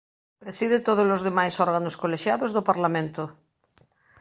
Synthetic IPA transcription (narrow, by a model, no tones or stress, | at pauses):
pɾesiðet̪oðozlozðemajsɔɾɣanoskoleʃjaðozðopaɾlamẽnt̪o